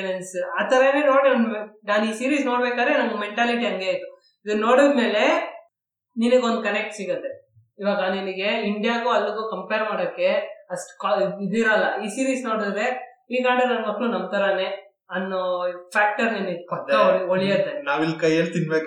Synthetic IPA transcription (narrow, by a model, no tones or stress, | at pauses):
nensaːt̪ɐɾɐneːnoːɽioenaːniːsiːɾiːsno̞ːɽbeːkaːd̪ɾenɐŋɡɐmeɳʈaːliʈ̬iɐŋɡejit̪ːu | id̪ɐɾno̞ːɽid̪me̞ːle̞ | ninɐɡond̪ukɐnek̚ʈsiːɡɐnt̪e | iːʋaːɡɐniniɡe̞iɳɖijaːɡuːɐlːuɡuːkɐmpeːɾmaːɽoːkːe̞ɐsʈkːid̪iɾɐlːɐiːsiːɾiːsno̞ːɽid̪ɾe̞ | iːɡaːɽiɾɐnmɐkːɭunɐmt̪ɐɾɐne | ɐnːopʰaːk̚ʈɐɾniniɡpɐt̪ːɐoɭijɐd̪enaːʋilkɐjeːɭt̪inbeːk